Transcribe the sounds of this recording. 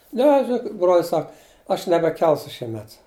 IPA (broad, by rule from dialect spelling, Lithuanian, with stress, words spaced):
ˈnʲɛ ʒʲɪˈnoːkʲɪt broːlʲsʲ ˈsɐk ɐʃ nʲɛbʲɛˈkʲɛlˠsʊ ʃʲiɛˈmʲɛt